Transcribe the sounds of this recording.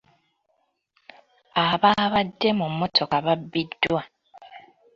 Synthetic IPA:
aβaːβadːe̞mumːotʰo̞kaβabːidːwwa

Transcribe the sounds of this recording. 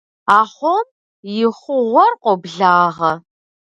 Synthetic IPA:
aːχʷom | jɪχʷʊʁʷɔrqʷʼɔbɮaːʁɐ

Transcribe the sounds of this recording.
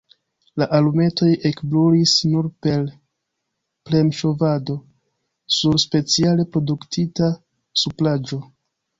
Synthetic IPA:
laʔalume̞to̞je̞kbloɾisnuɾpe̞l | ple̞mʃo̞vado̞ | suɾspe̞t͡siale̞pɾo̞duktita | suplad͡ʒo̞

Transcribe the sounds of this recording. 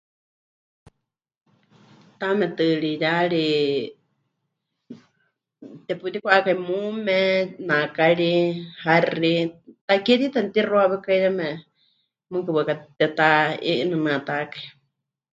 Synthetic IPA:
t̪amɛt̪ɨɺijaɺi | t̪ɛput̪ikʷʔakaimumɛnãkaɺiharit̪akɛt̪it̪ant̪iroaβɛkaijamɛ | mɨkɨβakat̪ɛt̪aḭʔnɨnɨ̃at̪akai

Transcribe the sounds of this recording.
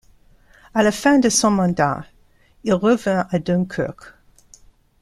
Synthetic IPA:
alafɛ̃d̪əsɔ̃mɑ̃d̪a̰ | ilʁəvɛ̃ad̪ɔ̃nkʰœ̰k

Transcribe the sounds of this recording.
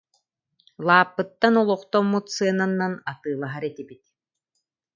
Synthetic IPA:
lˠaːpːɯt̪ːanɔlˠɔχt̪ɔmːut̪sɯɐnanːanat̪ɯːlˠaɦaɾɛt̪ibit̪̚

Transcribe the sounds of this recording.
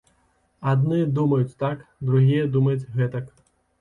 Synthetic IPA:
ad̪nɨd̪umɐjut͡sʲt̪akd̪ɾuɣʲijɐd̪umɐjut͡sʲɣɛt̪ɐk

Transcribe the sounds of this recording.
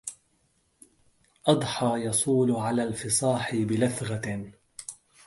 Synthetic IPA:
ʔɑd̪ˤħɑːjɑsˤuːlʕalaːlfɪsˤɑːħɪbɪlaθɣa

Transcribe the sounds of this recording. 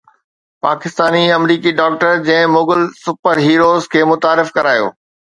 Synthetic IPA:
pa̰ːkɪst̪aːniɐmɾiːkiɖɔːk̚ʈəɾd͡ʑɐ̃ɦɪ̃moːɡəlsʊpəɾɦiːɾoːzkʰeːmʊt̪aːɾɪfkɐɾaːjo̰ː

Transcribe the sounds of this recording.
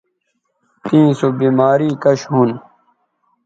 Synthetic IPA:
t̪ĩːsobiːmaːɾiːkɐɕɦuːn

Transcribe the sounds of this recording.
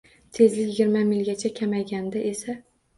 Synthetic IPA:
t̪ʰe̞zlɪkʲjɪɡʲɪɾmamɪlɡʲat͡ʃʰakʲʰamajɡʲand̪ɪʔesa

